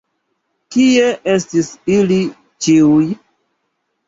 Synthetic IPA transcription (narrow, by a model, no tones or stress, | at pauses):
kie̞ʔestisili | t͡ʃiuj